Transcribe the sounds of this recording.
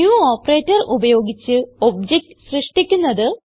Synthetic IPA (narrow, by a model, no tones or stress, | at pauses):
uːoːpːɐreːtːɐrʔubɐjo̞ːɡit͡ɕːɨo̞bd͡ʑek̚ʈsrɨʂʈikʲːunːɐðɨ